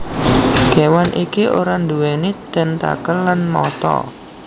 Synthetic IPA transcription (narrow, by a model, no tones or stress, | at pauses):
ɡ̥e̤wanʔikiʔoɾand̪uwɛnid̪̥ɛ̤nt̪a̰kəlːanmɔ̰t̪ɔ̰